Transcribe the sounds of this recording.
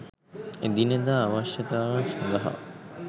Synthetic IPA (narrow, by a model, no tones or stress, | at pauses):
ed̪inəd̪aːaʋaʃjɐt̪aːʋansand̪ɐɦa̰